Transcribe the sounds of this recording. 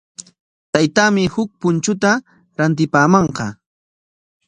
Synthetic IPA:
t̪ajt̪aːmɪhʊk̚pʊnt͡ʃʊt̪a | ɾant̪̬ɪpaːmɑɴqɑ

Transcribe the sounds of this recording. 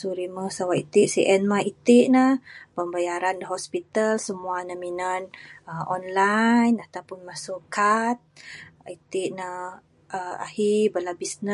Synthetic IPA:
suʔɾiməsawaʔit̪iʔsiʔɛnmait̪iʔnəpəmbajaɾandəɦɔspit̪əlsəmuanəminənəɔnlajnat̪awpʊnmasʊʔkat̪̚it̪iʔnə | ʔəa̰hibəlabisnə

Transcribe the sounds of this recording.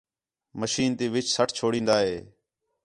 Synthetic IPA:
məʃiːnt̪iːʋɪt͡ʃsəʈʰt͡ʃʰoːɽĩːnd̪aːɦeː

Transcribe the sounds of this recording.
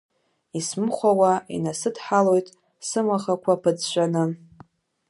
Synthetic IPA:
ismχʷawaḭnasɨdħalo̞jtʼ | sɨmaχakʷʰapʰɨd͡zʃʷanɨ

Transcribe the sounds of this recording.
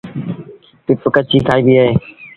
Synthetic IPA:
pɪpkət͡ʃʰiːkʰaːiːbiːaːɦeː

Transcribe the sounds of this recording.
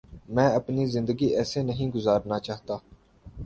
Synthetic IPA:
mɛ̃ːɐpnizɪ̃nd̪əɡiɛːsenɐɦĩɡʊzaːɾnat͡ʃaːɦt̪aː

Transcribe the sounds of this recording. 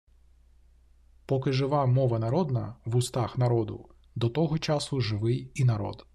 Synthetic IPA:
pɔkɪʒɪʋɑmɔʋɐnɐɾɔd̪nɐ̰ʋʊst̪ɑxnɐɾɔd̪ʊ̰ | d̪ɔt̪ɔɦɔt͡ʃasʊʒɪʋɪjinɐɾɔ̰d̪

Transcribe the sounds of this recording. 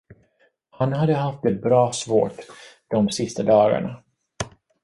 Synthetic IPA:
hanhad̪ːəɦaft̪̚əbɾɑːsvo̰ːʈ | d̪̥ɔmsɪst̪ad̪ɑːɡa̰ɳa

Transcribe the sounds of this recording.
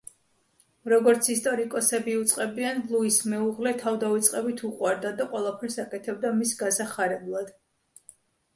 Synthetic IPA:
ɾɔɡɔɾt̪sʰist̪ʼɔɾikʼɔsɛbiut̪sʼqʼɛbianlˠuismɛuʁlɛt̪ʰavd̪aut̪sʼqʼɛbit̪ʰuqʼwaɾd̪ad̪aqʼwɛlˠapʰɛɾsakʼɛt̪ʰɛb̚d̪amisɡasaχaɾɛblˠad̪̥

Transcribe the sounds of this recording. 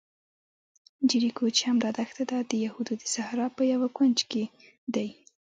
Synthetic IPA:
d͡ʒiɾikot͡ʃehamɾɑd̪axt̪ad̪ɑd̪əjahud̪od̪əsahɾɑpəjawakwant͡ʃke | d̪aj

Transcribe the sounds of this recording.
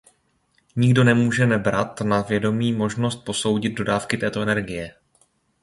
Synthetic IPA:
ɲɪɡdo̞nɛmuːʒɛnɛbɾat̪navjɛdo̞miːmo̞ʒno̞st̪̚po̞so̞wɟɪd̪̚do̞daːfkɪt̪ɛːt̪o̞ɛnɛɾɡɪjɛ

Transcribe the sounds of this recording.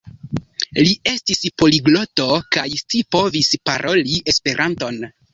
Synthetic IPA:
lie̞stispo̞liɡlo̞to̞kajstipo̞vispaɾʔo̞liʔe̞spe̞ɾʔanto̞n

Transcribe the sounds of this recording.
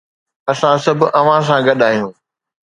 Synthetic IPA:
ɐsãsɐbʱʔɐʋ̤ãs̬ãɡɐɗaːɦijũː

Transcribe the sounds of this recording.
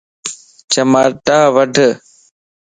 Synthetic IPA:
t͡ʃəmaːʈaːʋəɖʱ

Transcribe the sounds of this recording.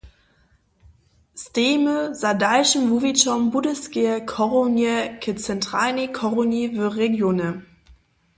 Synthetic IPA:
steːməzadaɪʃn̩vuvit͡ʃɔmbudəsɡeɐkʰɔʁonjɛkʰət͡sɛntʁ̥anikʰɔʁonivøʁeɡjoːnə

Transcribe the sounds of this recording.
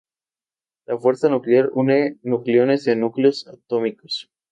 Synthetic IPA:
lafwe̞ɾsanukleaɾune̞nukljo̞ne̞zenukleo̞sat̪o̞miko̥s

